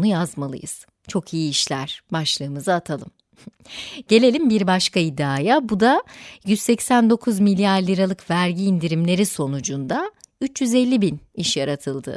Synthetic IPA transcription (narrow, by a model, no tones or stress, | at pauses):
nujazmalˠɯ̰jɯ̰z̥ | t͡ʃʰo̞kʰijiːʃlʲæɾ̥baʃlˠɯːmɯzaːt̪ʰalˠɯm | ɟ̥e̞lʲe̞lʲimbiɾbaʃkʰaid̪ːaːjabud̪ajyzsɛcsænd̪o̞kʰuzmilʲjaɾlʲiɾalˠɯkvæɾɟiːnd̪iɾimlʲe̞ɾiso̞nud͡ʒund̪ayt͡ʃjyzelʲːibiniʃjaɾat̪ʰɯlˠd̪ɯ̰